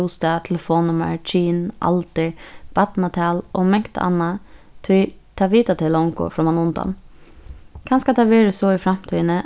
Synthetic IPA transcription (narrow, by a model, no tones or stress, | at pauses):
uːst̪ɑt̪ʰɛləfoːnːʊmə̰ɹt͡ʃʰiːnʔɑ̰lt̪əɹb̥ɑt̪nɑt̪ʰɑːlʔoːmɛŋkt̪ɑ̰nːɑt̪ʰɪlt̪ʰɑːʋiːt̪at̪ʰɪlʊŋko̰fɾɔːmɑnʊnd̪ɑ̰n | kʰɑnskɑt̪ʰɑːʋeːɾəsoːɪfɾɑmt̪ʰyːnə